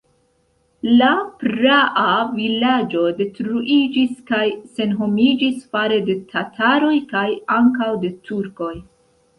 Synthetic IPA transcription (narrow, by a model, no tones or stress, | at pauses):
lapɾaʔavilad͡ʒo̞de̞tɾuʔid͡ʒiskajse̞nɦo̞mid͡ʒisfaɾe̞de̞tʰatʰaɾo̞jkajaŋkawde̞tʰuɾko̞j